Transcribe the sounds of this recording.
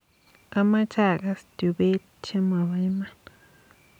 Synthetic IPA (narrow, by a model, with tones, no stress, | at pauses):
a˦ma˦t͡ʃa˦˨ɡa˧st̪ju˨be˦ | t͡ʃe˦ma˨ba˧jma˦n